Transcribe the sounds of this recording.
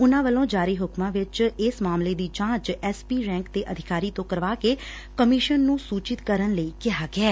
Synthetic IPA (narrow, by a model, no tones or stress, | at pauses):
ʊnãːʋəlõːd͡ʒaːɾiːɦʊkmãːʋɪt͡ʃɪsmaːmleːd̪iːt͡ʃãːt͡ʃɛːspiːɾɛ̃ːŋkt̪eːʔəd̪ʱɪkaːɾiːt̪õːkəɾʋaːkeː | kəmɪːʃənːũːsuːt͡ʃɪt̪kəɾənləiːkɪɦaːɡɪɛː